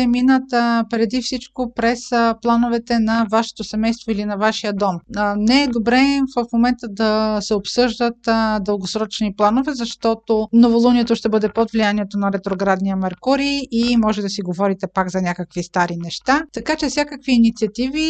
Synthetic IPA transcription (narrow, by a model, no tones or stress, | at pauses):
ɛminət̪pɾɛd̪ifsit͡ʃkopɾɛsplˠanovɛt̪ɛnɐvaʃɛ̥t̪osɛmɛjst̪voilinɐvaʃijəd̪ɔmnɛːd̪obɾɛvəfmomɛnt̪əd̪ɐsɛopsɤʒd̪ət̪d̪əlˠɡosɾɔt͡ʃniplˠanovɛzɐʃt̪ɔt̪onovolˠuniɛt̪oʃt̪ɛbɤd̪ɛpod̪vlijaniɛt̪onɐɾɛt̪ɾoɡɾad̪nijəmɛɾkuɾiimɔʒɛd̪ɐsiɡovɔɾit̪ɛpaɡzɐnʲakəkvist̪aɾinɛʃt̪at̪ɐkat͡ʃɛfsʲakəkviːnit̪siɐt̪ivi